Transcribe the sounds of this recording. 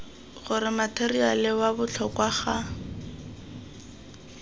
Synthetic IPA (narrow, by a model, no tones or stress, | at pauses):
χʊɾɪmatʰerialɪwabʊt͡ɬʰɔkwaχa